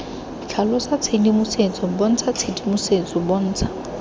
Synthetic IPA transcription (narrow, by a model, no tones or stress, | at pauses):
t͡ɬʰalɔsat͡sʰedimʊset͡sɔbɔn̩t͡sʰat͡sʰedimʊset͡sʼɔbɔn̩ːt͡sʰḁ